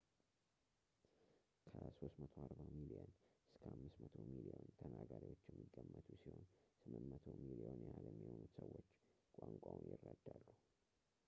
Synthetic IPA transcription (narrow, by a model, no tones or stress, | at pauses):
kʰəso̞st̪mət̪ʰoaɾbamilijənɨskʰəʔamːɨsmət̪ʰo̞milijont̪ʰənaɡaɾiwot͡ʃːjɛmːiɡːəmːət̪ʰusiho̞nsɨmɨnːət̪ʰo̞milionjɛhalɛmːihonut̪səwːot͡ʃːkʷʼaŋkʷʼawunjɪrːəd̪ːalːu